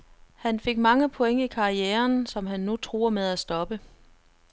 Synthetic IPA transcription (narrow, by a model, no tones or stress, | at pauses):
hænfe̝ɡ̥̚mɑ̈ŋəpʰo̽eŋəikʰɑ̈ieːɐnsɒ̽mɦænːut͡sʰʁṵːɐmeð̞ˠæsd̥ɒ̽b̥ə